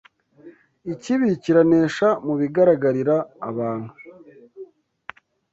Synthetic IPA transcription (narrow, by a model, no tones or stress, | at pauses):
iciβiciɾaneːʃamuβiɡaɾaɡaɾiɾaːβaːn̥hu